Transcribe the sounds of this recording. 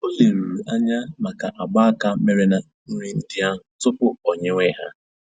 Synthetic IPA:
o˦le˨ɾu˨ɾu˨ʔa˦ɲa˦ma˨ka˨ʔa˨ɡ͡ba˦ka˦me˨ɾe˦na˨ | n̩˦ɲe˦n̩˦dɪ˦a˦ | tʊ˦pʊ˦ɔ˨ɲe˦ŋʷe˦ɦa̰˦

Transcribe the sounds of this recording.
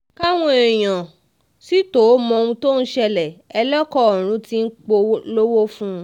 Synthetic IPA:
ka˦w̃ɔ̃˦e˨j̃ã˨ | si˨˦to˨˦mɔ̃˧ũ˧to˦n̩˦ʃɛ˧lɛ˨ɛ˧lɛ˦kɔ˦ɔ˨ɾ̃ũ˨˦ti˦n̩˦k͡po˧˦lo˦wo˦fũ˦˧

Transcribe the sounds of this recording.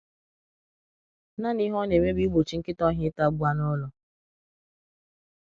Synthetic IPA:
na˦ni˦ɦɔ˦ne˨me˦bi˦ɡ͡bo˨t͡ʃi˨˦ŋ̩˦kɪ˦tɔ˦ɦɪ˦ta˦ɡ͡bu˦a˦nɔ˦lɔ˨

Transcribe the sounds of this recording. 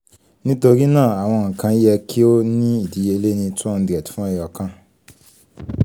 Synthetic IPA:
nĩ˦to˧ɾi˦nãː˦˨a˨w̃ɔ̃˧ŋ̩˨kã˧i˦jɛ˧kʰi˦o˦nĩ˦i˦˨di˨˦e˧le˦nĩ˧tũ˦ɔ˦˧n̩˧di˨ɛ˨tu̥˨˦fũ˦ɛ˦˨jɔ˨kã˧

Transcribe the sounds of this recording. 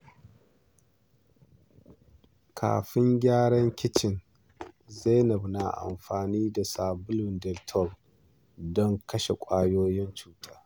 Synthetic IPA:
kʰa̰ː˨ɸɪ˦ŋɡʲaː˦ɽɐ˦ŋkʲɪ˦t͡ʃɪ˨n | za˦jnɐ˨bna˨ʔa̰˨mɸaː˨niː˦da˨saː˨bʊ˦lʊ˨ndɛ˨ltʰɔ˦˨l | dɔ˦ŋkɐ˦ʃe˨kʷʼaː˦joː˦jɪ˦nt͡ʃuː˦tʼaː˦

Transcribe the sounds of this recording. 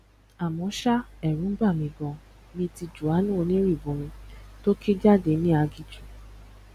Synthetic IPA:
a˨mɔ̃˨˦ʃa˦ɛ˨ɾ̃ũ˨˦ba˦˨mĩ˧ɡɔ̃˧ | mĩ˧ti˧d͡ʒu˨a˨˦nũ˦o˧nĩ˦ɾi˦˨bõ˨˦mĩ˧to˦kʰe˦d͡ʒa˦˨de˧˨nĩ˦a˧ɡi˨d͡ʒu˨

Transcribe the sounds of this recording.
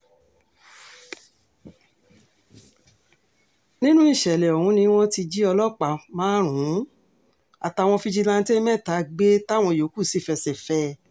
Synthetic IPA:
nĩ˦nũ˦i˦˨ʃɛ˨lɛ˨ɔ˨hũ˨˦nĩ˧˦w̃ɔ̃˦ti˧d͡ʒi˦ɔ˧lɔ˦k͡pa˨mãː˨˦ɾ̃ũ˨˦ | a̰˨ta˧˨w̃ɔ̃˧fi˧d͡ʒi˧lã˧n̩˧te˦mɛ̃˦˨ta˨˦ɡ͡be˦ta˦˨w̃ɔ̃˧˨jo˨˦ku˦˨si˦˨fɛ˧˨sɛ˨fɛ˦

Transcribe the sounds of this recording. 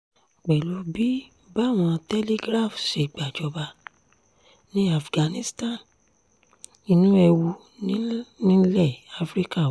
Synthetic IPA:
k͡pɛ˨lu˨˦bi˦ | ba˦˨w̃ɔ̃˧tɛ˦li˦ɡɾa˦˨fʃe˨ɡ͡ba˨d͡ʒɔ˨˦ba˧ | nĩ˦a˦˨fɡã˨nĩ˦stã˦˨n | i˧nũ˦ɛ˧wu˧ | nĩ˦nĩ˦lɛ˦˨a˦fɾi˦ka˦˨

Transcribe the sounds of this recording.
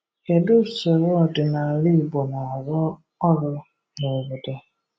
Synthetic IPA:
ke˨dʊ˦˨so˨ɾo˦ɔ˨dɪ˨na˨li˦˨bo˨na˨ɾɔ˦ | ɔ˦ɾʊ˦ | ne˨be˨da˦

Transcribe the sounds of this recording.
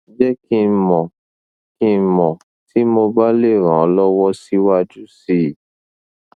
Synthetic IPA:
d͡ʒɛ˦ki˧˦mɔ̃˨ | kĩ˦˧˦mɔ̃˨ | ti˨˦mo˧ba˦le˦˨ɾ̃ã˨ɔ˨˦lɔ˦wɔ˦si˦wa˦d͡ʒu˦si˦˨

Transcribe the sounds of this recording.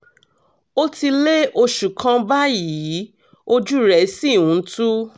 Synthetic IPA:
o˦ti˧le˦ʔo˧ʃu˨kʰã˧ba˦ji˨˦ | o˦d͡ʒu˦ɾɛ˦˨˦si˦˨wũ˨˧˦tu˦

